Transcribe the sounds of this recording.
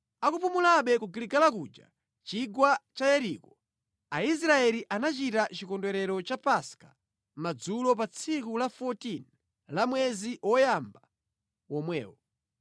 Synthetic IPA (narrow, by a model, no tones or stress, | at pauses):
akupumulaɓɛkuɡiliɡalakud͡ʒa̰ | t͡ʃiɡwat͡ʃajɛɾikɔ | ais̬ɾaɛliʔanat͡ʃitat͡ʃikɔndwɛɾɛɾɔt͡ʃapaskḁ | mad͡zulɔp̬at͡sʰikulafɔtin | lamwɛziʔwɔjamba | wɔmwɛ̰ːwɔ